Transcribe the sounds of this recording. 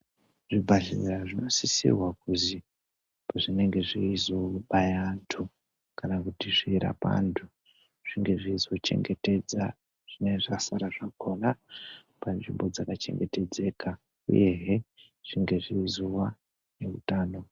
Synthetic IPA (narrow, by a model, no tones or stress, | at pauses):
ʐibʱaɮiniraʐino̞sisḭrwakuzi | paʐine̞ŋɡe̞ʐiːzoɓajantʰu | kanakutiʐiɾa̰pa̰ntʰu | ʐ̥iŋɡe̞ʐizo̞t͡ʃe̞̰ŋɡe̞te̞d͡za | ʐ̥ineʐasaɾaʐakona | panʐimbo̞d͡zakat͡ʃe̞̰ŋɡe̞te̞d͡ze̞ːka | ṵje̞ɦe | ʐ̥iŋɡe̞ʐizuwa | ne̞ṵtaːno̞